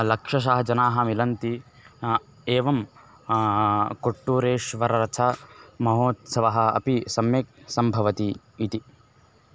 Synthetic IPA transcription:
lɐkʂɐʃ̬aːɦɐd͡ʒɐnaːɦɐ̆milɐnt̪i | eːʋɐm | koʈːuːɾeːʂʋɐɾɐɾɐt͡ʃʰɐmɐɦoːt̪sɐʋɐɦɐ̆ɐ̰pisɐmjek̚sɐmbʱɐʋɐt̪iː | t̪i

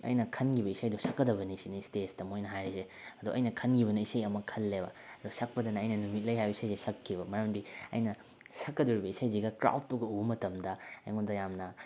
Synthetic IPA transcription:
ɐ̰jnɐkʰɐnɡibɐisajdɔsɐkːɐdɐbɐnisinistesdɐmojnɐɦajɾise | ɐduʔɐjnɐkʰɐnɡibɐnɐisɐjɐmɐkʰɐlːebɐ̰ɐdusɐk̚pɐdɐnɐɐjnɐnumit̚lɐjɦajbɐisajzisɐkʰːibɐmɐɾɐmdiɐ̰jnɐ | sɐkːɐduɾibɐisajziɡɐkɾa̰wt̚tuɡɐubmɐtɐmdɐɐ̰jŋondɐjamnɐ

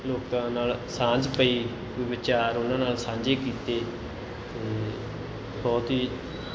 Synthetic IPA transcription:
loːkt̪ãːnaːlsãːd͡ʒpəiː | ʋɪʋɪt͡ʃaːɾʊnãːnaːlsãːɲd͡ʒeːkiːt̪eː | t̪eː | bɔːt̪ɦiː

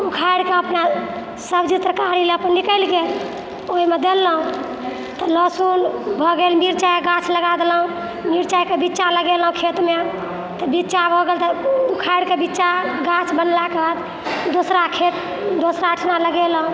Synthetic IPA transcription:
ukʰaiɽkeəpna | səbd͡ʒit̪ɾəkaɾileəpənːikəɪlɡel | oimed̪elːɦũ | t̪ɔlɔsunbʱɔɡelmiɾt͡ʃajkeɡãt͡ʃʰləɡad̪elɦũ | miɾt͡ʃaikebitːt͡ʃaləɡelɦũkʰet̪me | t̪ɔbitːt͡ʃabʱɔɡelt̪ɔukʰaiɽkebitːt͡ʃaɡat͡ʃʰbənlakebad̪ | d̪osɾakʰet̪ | d̪osɾaəʈʰnaləɡelɦũ

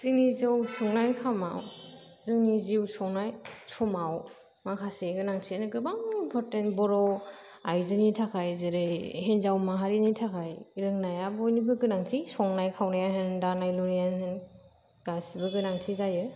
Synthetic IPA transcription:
z̥ɯnizawsɔŋnajkʰama̰w | zɯniziwsɔŋnajsɔmaw | makʰaseɡɯnaŋtʰinɯɡɯbaŋimpʰɔɾtentbɔɾɔ | ajzɯnitʰakʰajzɯɾɯjhenzawmaɦaɾinitʰakʰajɾɯŋnajabɔjnibɯɡɯnaŋtʰisɔŋnajkʰawnajaɦɯndanajluɾianhɯn | ɡ̥asibɯɡɯnaŋtʰizajɯ

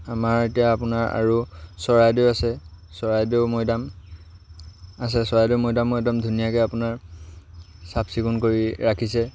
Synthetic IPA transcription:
amaɹetijaːpʊnaɹa̰ɹusɔɹajdeasɛsɔɹajdeʊmojdam | as̬ɛsɔɹajdeʊmojdamːɔjdamdʱunijakɛapʊnaɹ | sapsikunkoɹiɹakʰisɛ

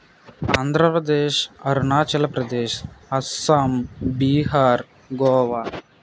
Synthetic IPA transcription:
aːnd̪ʱɾɐpɾɐd̪eːʃɐɾunaːt͡ʃɐlɐpɾɐd̪eːʃɐsɐmbiːɦaːɾ | ɡoːʋaː

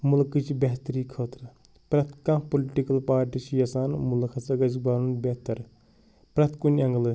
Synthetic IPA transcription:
mulkɨt͡ʃʰbʲeɦt̪ɾiːkʰoːt̪ɾɨ | pɾɐt̪ʰkãːkpoliʈikɐlpaːɾʈit͡ʃʰijɐsaːnmulkʰɐsɐɡɐd͡ʒbaːɾunbeɦt̪ɐɾ | pɾɐt̪ʰkunʲɐŋɡlɨ

